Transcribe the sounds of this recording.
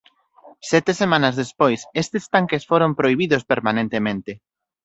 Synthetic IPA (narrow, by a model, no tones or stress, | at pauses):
sɛt̪esemãnɐzðespojsest̪ɪst̪aŋkesfoɾompɾoiβiðʊspeɾmanẽnt̪emẽnt̪ɪ